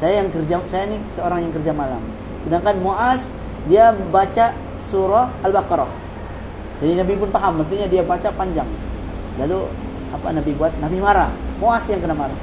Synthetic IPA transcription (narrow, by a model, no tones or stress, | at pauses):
sajajaŋkərd͡ʒasajainisəoɾaŋjaŋkərd͡ʒamala̰m | sədaŋkanmoʔas | diabat͡ʃa | suɾɔalbakɾɔ | d͡ʒadinabip̬ʊnt̪aɦamːərt̪iɲadiabat͡ʃapaɲd͡ʒaŋ | lalu | apa̰nabibuat̪̚nabimaɾamoʔasjaŋkənamaɾa